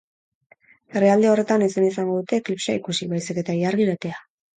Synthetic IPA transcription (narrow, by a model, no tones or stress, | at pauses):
e̞riald̪eo̞re̞t̪anisenisaŋɡo̞ðut̪e̞klipsaikusiβajsike̞t̪aiaɾɣiɾat̪e̞a